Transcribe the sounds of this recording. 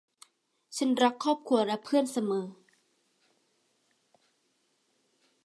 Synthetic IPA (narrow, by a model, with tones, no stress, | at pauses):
t͡ɕʰa˦˥˨nɾa˦˥k̚kʰːɔː˥˩p̚kʰu˧˥ɐɾɛ˦˥pʰɯ˥˩ənsa˧mɤː˩˦